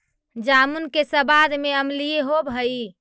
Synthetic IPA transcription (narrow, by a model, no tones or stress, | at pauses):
d͡ʒamunkesə̃bad̪ʱmeəmlijeɦobɦəi